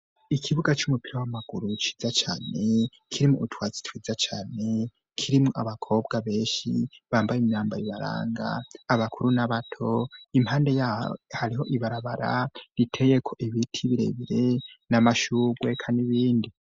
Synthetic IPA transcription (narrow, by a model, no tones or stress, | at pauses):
ikʰiβuɡat͡ʃumupiɾawamaɡ̥uɾut͡ʃi̥ːzat͡ʃaːne̞ | kʰiɾimuutwaːzi̥twiːzat͡ʃaːne̞ | kʰiɾimŋoaβakʰo̞ːbɡaβe̞ːnʃiβaːmbajimɲaːmbaiβaɾa̰ːŋɡa̰ːβakʰuɾunaβatʰo̞imhaːnde̞jaːo̰haɾiɦo̞ʔiβaɾaβaɾa̰ɾitʰejekʰo̞ʔiβitʰiβiɾe̞̰βiɾe̞namaʃuːɡɡwe̞kʰaniβiːndi